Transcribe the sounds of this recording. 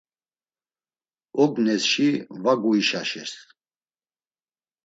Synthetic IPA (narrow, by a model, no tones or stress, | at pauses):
ɔɡnɛsʃivaɡuiʃaʃɛ̰ɾs